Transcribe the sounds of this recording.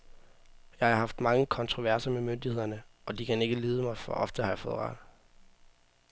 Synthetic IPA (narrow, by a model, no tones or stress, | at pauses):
jɑ̈ɪɑɐɦɑ̈fd̥mɑ̈ŋəkʰɒ̽nt͡sʰʁo̝ʋæɐ̰sɐmemønd̥ihe̝ð̞̰ˠɐnəɒ̽d̥ikʰæne̝ɡ̥əliːð̞ˠəmɑ̈ɪfɒ̽ʔɒ̽fd̥əhɑ̈jɑfɔ̽ːð̞̩̰ˠʁɑ̰̈d̥